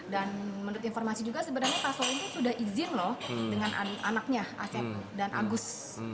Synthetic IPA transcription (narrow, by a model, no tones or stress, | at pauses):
danmənuɾʊt̪infɔrmasid͡ʒuɡasəbənarɲapasɔlinusudahʔizɪnlɔhdəŋanʔa̰na̰nak̚ɲaʔa̰sɛt̪̚danʔa̰ɡʊs